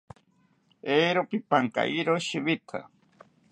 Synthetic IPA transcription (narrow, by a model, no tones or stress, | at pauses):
eːɾopipaŋka̰ʔiɾoʃiβit̪ʰa̰